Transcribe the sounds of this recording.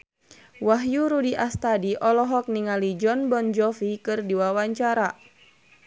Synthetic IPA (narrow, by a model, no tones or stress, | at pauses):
waɦjuɾudiʔast̪adiʔɔlɔɦɔk̚niŋalid͡ʒɔnbɔnd͡ʒɔfikɨrdiwawaɲt͡ʃaɾa